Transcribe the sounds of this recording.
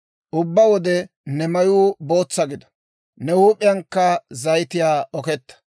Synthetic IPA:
ʔʊbːɐwɔd̪ɛ | nɛmɐjuːbo̞ːt͡sːɐɡɪd̪ɐ̥ | nɛhuːpʼːɪjɐŋkːɐzɐjt̪ɪjaːɔkɛt̪ːɐ̥

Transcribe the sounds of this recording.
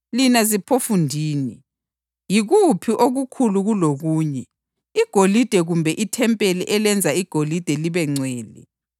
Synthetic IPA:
linazipʰofundʱiːni | jiɣupʰiʔoɣukʰuluɣuloɣuːɲɛ | iɡ̥ʱolid̥ʱɛɣumbʱɛʔitʰɛmpʼeliʔɛlɛnd͡zʱaiɡ̥ʱolid̥ʱɛliβɛŋ͡ǀwɛːlḭ

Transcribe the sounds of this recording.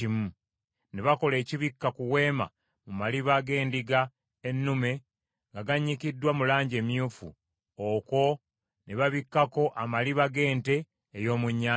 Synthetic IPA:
imu | neβako̞le̞ːciβikːakuwe̞ːma̰ | mumaliβaɡe̞ːndiɡa | enːume̞ | ŋɡaɡaɲːikidːwamulaːɲɟe̞ːmjuːfṵ | oko̞ | neβaβikːako̞ʔamaliβaɡe̞ːnte̞ː | jo̞ːmuɲːa

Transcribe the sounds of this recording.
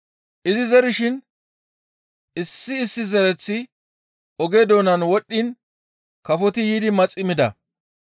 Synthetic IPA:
ʔɪzɪzɛɾɪʃɪn | ɪsːɪːsːɪzɛɾɛt͡sːɪ | ɔɡe̞ːd̪oːnɐnwɔɗːɪn | kɐfɔt̪ɪjiːd̪ɪmɐt͡sʼɪmɪd̪ɐ̰

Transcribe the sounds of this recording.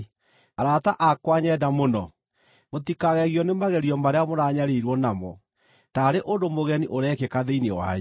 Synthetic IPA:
aɾataʔakwaɲɛdamonɔ | mot̪ikaɣɛɣiɔnemaɣɛɾiɔmaɾeamoɾaɲaɾeɾwɔnamɔ̰ | taɾeʔondomoɣɛniʔoɾɛkekaðeinewa̰

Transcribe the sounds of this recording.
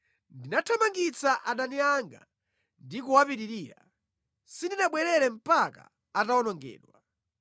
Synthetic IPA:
ndinatʰɔmaŋɡit͡saʔaɗaniaŋɡa̰ | ndikuwapiɾiɾiːɾa̰ | sindinaɓwɛɾɛɾɛm̩paka̰ | ataɔnɔŋɡɛ̰ːɗwa

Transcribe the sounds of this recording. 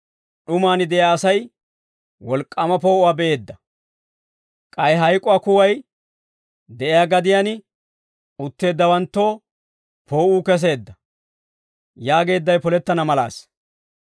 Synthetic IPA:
ɗʊmaːnɪd̪ɛʔjaːsɐj | wɔlkʼːɐmɐpo̞ːʔʊwaːbɛʔe̞ːd̪ːɐ | kʼɐjɦɐjkʼʊaːkʊwɐj | d̪ɛʔɪjaːɡɐd̪ɪjaːnɪ | ʊt̪ːe̞ːd̪ːɐwɐnt̪ːo̞ː | pʰo̞ːʔuːkɛs̬e̞ːd̪ːɐ | jaːɡe̞ːd̪ːɐjpɔlɛt̪ːɐnɐmɐla̰ːs

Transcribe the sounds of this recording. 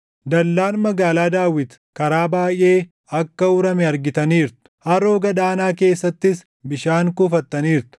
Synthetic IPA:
d̪ɐlːaːnmɐɡaːlaːd̪aːwɪt̪ | kɐɾaːbaːjʔe̞ː | ɐkːɐʊɾɐmɛɐɾɡɪt̪ɐniːɾt̪ʊ̥hɐɾoːɡɐd̪aːnaːke̞ːsːɐt̪ːɪs | bɪʃaːŋkuːfɐt̪ːɐniːɾt̪ʊ̥

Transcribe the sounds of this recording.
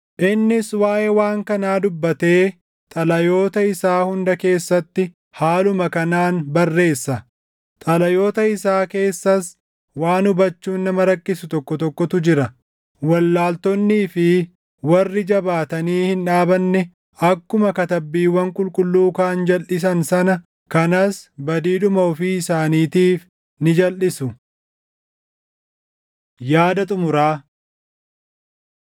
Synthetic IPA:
ʔɪnːɪswaːʔewaːŋkɐnaːd̪ʊbːɐt̪e̞ː | t̪ʼɐlɐjo̞ːt̪ɐɪsaːhʊnd̪ɐke̞ːsːɐt̪ːɪ | haːlʊmɐkɐnaːnbɐrːe̞ːsːɐ | t̪ʼɐlɐjoːt̪ɐɪsaːke̞ːsːɐs | waːnʊbɐt͡ʃːuːnːɐmɐɾɐkːɪsʊt̪ɔkːɔt̪ɔkːɔt̪ʊd͡ʒɪɾɐ | wɐlːaːlt̪ɔnːiːfɪ | wɐrːɪd͡ʒɐbaːt̪ɐniːhɪnᶑaːbɐnːɛ | ɐkːʊmɐkɐt̪ɐbːiːwɐŋkʼʊlkʼʊlːuːkaːnd͡ʒɐlʔɪs̬ɐnsɐnɐ | kɐnɐsbɐd̪iːᶑʊmɐɔfiːɪsaːniːt̪iːf | nɪd͡ʒɐlːɪsʊ | jaːd̪ɐt̪ʼʊmʊɾaː

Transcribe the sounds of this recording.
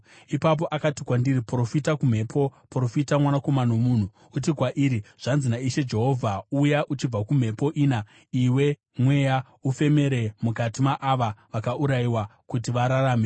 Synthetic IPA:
ipap̬o̞ʔakatikwandiɾipro̞fitakum̤e̞ːpʰo̞pro̞fitamwanako̞manomun̤uːt̬ikwaʔiɾiʐ̥anzinaiʃe̞d͡ʒe̞ɦo̞vʱaujaʔut͡ʃib͡vakum̤e̞po̞ʔiːna | iwe̞ | mwe̞ja | ufe̞me̞ɾe̞mukatimaʔaʋaʋakaʔuɾaiwakutiʋaɾaɾaːme

